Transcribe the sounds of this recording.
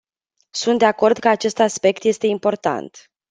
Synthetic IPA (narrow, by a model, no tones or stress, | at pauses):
sunt̪d̪eako̞rd̪kəat͡ʃe̞st̪aspe̞kt̪je̞st̪e̞impo̞rt̪a̰nt̪